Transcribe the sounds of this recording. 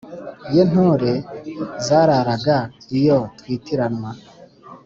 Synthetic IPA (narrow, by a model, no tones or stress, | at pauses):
ijon̥hoːɾe̞zaːɾaɾaɡaijo̞twiːtiɾanwa